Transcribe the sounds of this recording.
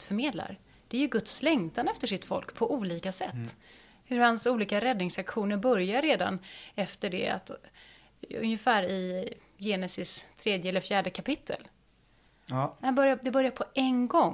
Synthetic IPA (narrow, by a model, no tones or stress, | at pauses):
fœɾmeːd̪la̰ɾ | d̥̪ɛæɾjɵɡɵt̪slɛŋt̪ʰanɛft̪əʂɪt̪fɔ̰lkpʰɔʔuːliːkasɛt̪ː | hɵɾhansuːliːkaɾɛd̪nɪŋsakɧuːnəɾbœɾjaɾːeːd̪a̰nɛft̪əɖɛ̰a̰t̪ | ɵ̰njəfæːɾɪ | jeːnɛsɪst̪ʰːɾeːd̪jəɛlːəɾfjæːɖəkʰapɪt̪ʰːə̰l | hanbœɾjad̪ɛbœɾjaɾpʰɔɛnɡɔŋː